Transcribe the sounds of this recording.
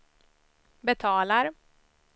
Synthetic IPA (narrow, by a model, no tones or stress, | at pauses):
bɛt̪ʰɑːlaɾ